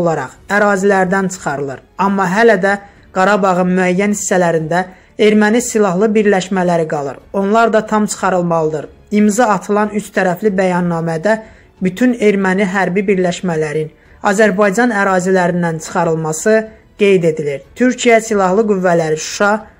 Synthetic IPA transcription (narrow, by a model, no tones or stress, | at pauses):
olˠɑɾɑ̰χæɾɑːzilæɾd̪ænt͡ʃʰɯ̥χɑɾɯlˠɯɾɑmːɑɦælæd̪æ | ɡ̥ɑɾɑbɑʁɯnmyæjːænhisːælæɾind̪æ | e̞ɾmænisilˠɑɦlˠɯbiɾlæʃmælæɾiɡɑlˠɯ̰ɾo̞nlˠɑɾd̪ɑt̪ʰɑmt͡ʃʰɯ̥χɑɾɯlˠmɑlˠɯd̪ɯɾ | imzɑːt̪ʰɯlˠɑnyt͡ʃt̪ʰæɾæflibæjɑnːɑːmæd̪æ | byt̪ʰyne̞ɾmæniɦæɾbibiɾlæʃmælæɾin | ɑzæɾbɑjd͡ʒɑnæɾɑːzilæɾind̪ænt͡ʃʰɯ̥χɑɾɯlˠmɑsɯ | ɡ̥e̞jd̪e̞d̪iliɾt̪ʰyɾcʰijæsilˠɑhlˠɯɡyvːælæɾiʃu̥ʃɑ